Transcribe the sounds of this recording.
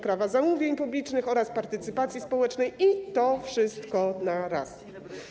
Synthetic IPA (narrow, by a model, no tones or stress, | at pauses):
pɾavazamuvʲjeɲpublʲit͡ʂnɘxɔɾaspaɾt̪ɘt̪sɘpat̪sʲjispɔwɛt͡ʂnɛjit̪ɔfʂɘst̪kɔnaɾa̰s